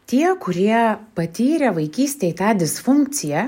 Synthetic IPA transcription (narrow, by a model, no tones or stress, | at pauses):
t̪ʲiɛkʊɾʲiɛpɐt̪ʲiːɾʲɛʋɐɪkʲiːsʲt̪ʲet̪ɑːd̪ʲɪsfʊŋk̚t̪sʲɪjɛ